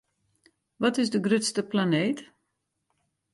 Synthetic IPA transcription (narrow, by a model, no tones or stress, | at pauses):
ʋɔtɪzdəɡrʏtstəplaneːt